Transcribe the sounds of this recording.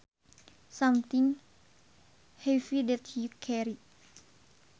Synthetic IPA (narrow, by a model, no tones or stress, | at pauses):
sãmt̪iŋ | hɛfidɛt̪̚hikʰɛɾi